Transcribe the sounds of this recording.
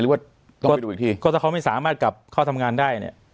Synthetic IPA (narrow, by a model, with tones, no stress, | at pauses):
lɯː˨˦waː˥˩ | t̪ɔ˥˩ɔ˨˩˧uː˧˨˩t̪ʰiː˥˩kɔː˧˩t̪ʰa˧˩ka˦˥wma˥˩jsaː˩˦maː˥˩t̪̚ka˨˩p̚kʰɔː˥˩t̪ʰmŋaː˧ndaː˥˩jnḭ˦˩ɐ